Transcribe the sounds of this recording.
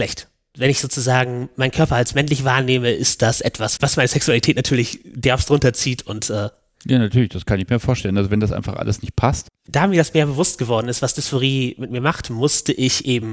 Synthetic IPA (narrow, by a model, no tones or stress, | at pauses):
ʃlɛçt | vɛnɪçz̥oːt͡suzaːɡŋ̩maɪnkʰœɐpɐalsmɛnlɪçvaːɐneːməʔɪst̚d̥asʔɛtv̥asvasmaɪnəsɛksualitʰɛːtnatʰyːɐlɪçd̥ɛɐfstʁʊntɐt͡siːtʰʊntʔɛː | jaːnatʰyɐlɪçd̥askʰanɪçmiːɐfoːɐʃtɛlən̩alzovɛndasʔa̰ɪnfa̰χʔa̰ləsnɪçt̚pʰastd̥aːmiːɐdasmeːɐbəvʊstɡ̥əvɔɐdn̩ɪstv̥asd̥ʏsfoʁiːmɪtmiːɐmaχtmʊstəʔɪçʔeːbm̩